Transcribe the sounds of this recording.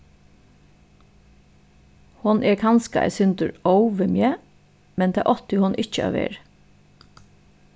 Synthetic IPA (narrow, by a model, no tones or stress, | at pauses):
hʊnʔɛɹkʰɑnskaʔɛ̰sʏnt̪əɹɔwʋɪmjɛ | mɛnt̪ʰɛːʔɔht̪jhʊnʔɪt͡ʃəɑ̰ʋḛːɹ